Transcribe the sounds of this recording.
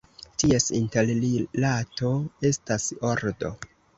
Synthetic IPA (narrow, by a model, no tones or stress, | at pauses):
tie̞sinte̞llilato̞e̞staso̞ɾdo̞̰